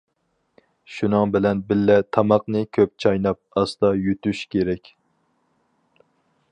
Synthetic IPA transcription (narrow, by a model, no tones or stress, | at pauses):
ʃunɨŋbɪlɛnbɪlːɛt̪ʰɑmɑqnɨkʲʰøp̚t͡ʃʰɑjnɑp̚ɑsd̪ɑjyt̪yʃkʲeɾɛkʲ